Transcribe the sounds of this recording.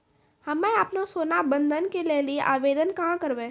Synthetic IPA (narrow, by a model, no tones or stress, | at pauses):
hɐmẽɐpnasoːnabə̃nd̪ʱənkelelieʔaːʋeːd̪ənkãkəɾʋẽː